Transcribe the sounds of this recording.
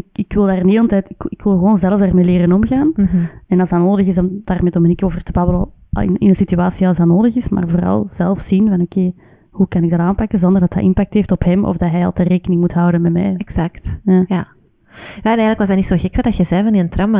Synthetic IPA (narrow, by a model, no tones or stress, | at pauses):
ɪkɪkʋɪlˠdaːrənɦeːlˠəntɛːtɪkɪkʋɪlˠɣəʋoːnzɛlˠəvdaːrmeːleːɾənɔmɣaːnɛnɑzdɑnoːdəɣɪsɔmdaːrmɛdomənikoːvərtəbɑbələ | ɪ̰nɪ̰nənsityaːsiɑlsdɑnoːdəɣɪsma̰ːrvoːɾɑ̰lˠz̥ɛlˠfsinvɑnokeː | hukɑnɪɡ̚dɑtaːmpakənzɔnd̪ərdɑtɦɛ̰ʔɪnpak̚theːftɔpɦɛmɔ̰vdɑtɦɛjɑ̰lˠtəreːkənɪŋmutɦɑwdənmɛmɛ̰jɛɡz̥aktjaːja | jaːɛnɛɣələkwɑzdɑtnitsoːxɛkfɑndɑtxɛzɛːvɑninəntrɑma